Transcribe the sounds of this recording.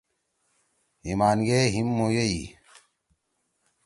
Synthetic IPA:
imaːnɡeɦimːojɐi

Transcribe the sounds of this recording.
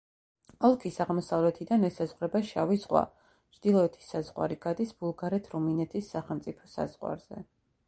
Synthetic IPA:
ɔlˠkʰisaʁmɔsavlɛt̪ʰid̪anɛsazʁɾɛbaʃavizʁwa̰ | t͡ʃʰd̪̥ilˠɔɛt̪ʰi̥sːazʁwa̰ɾiɡad̪isb̥ulˠɡaɾɛt̪ʰɾuminɛt̪ʰisːaχɛlˠmt̪sʼipʰɔ̥sa̰z̥ʁwa̰ɾz̥ɛ̰

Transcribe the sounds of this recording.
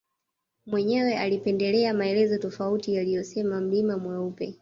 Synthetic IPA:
mwɛɲɛwɛalipɛndɛlɛamaɛlɛzɔtɔfautijalijɔsɛmam̩limamwaupɛ

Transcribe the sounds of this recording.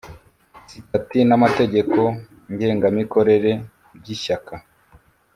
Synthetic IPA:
sitatinamate̞ɟe̞ko̞ | ɲɟe̞ːŋɡamiko̞ɾe̞ɾe̞ | bɟiʃaka

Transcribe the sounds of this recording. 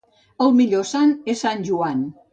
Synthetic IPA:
əlˠmiʎosanesanʲʒuan

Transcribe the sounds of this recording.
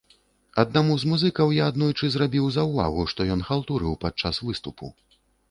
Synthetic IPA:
ɐd̪namuzmuzɨkɐwjaːd̪nujt͡ʂɨzɾabʲiwzɐwva̰ɣuʂt̪ɔjɔnxalˠt̪uɾɨwpat͡ʂasvɨst̪upʰṵ

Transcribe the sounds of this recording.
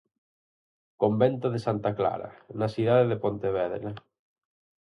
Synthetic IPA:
kõmbẽnt̪oðesant̪akla̰ɾa̰nasuðaðeðepont̪eβɛðɾa

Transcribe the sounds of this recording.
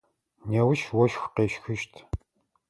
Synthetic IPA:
newʃwɔʃxʷqeːʃxɨʃtʰ

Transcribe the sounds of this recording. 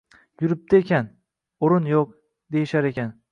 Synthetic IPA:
jʊɾɪp̚t̪aekʲan | oɾɪnjoq̚ | d̪e̞jɪʃaɾekʲan

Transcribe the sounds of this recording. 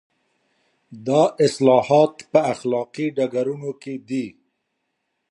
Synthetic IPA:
d̪ɑʔɪslɑhɑt̪pəaxlɑqiɖaɡaɾunoked̪i

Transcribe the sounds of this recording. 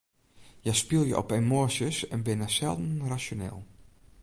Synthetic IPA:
jəspilˠjə̰ʔɔ̰pemosjəsɛnbɪnasɛlˠdn̩rasjonɪ̰ːlˠ

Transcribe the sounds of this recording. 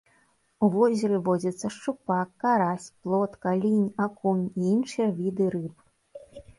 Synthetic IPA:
uvɔzʲɛɾɨvɔd͡zʲɐt̪sːɐʂt͡ʂupakːaɾasʲplˠɔt̪kalʲinʲakunʲiinʂɨjɐvʲid̪ɨɾɨp

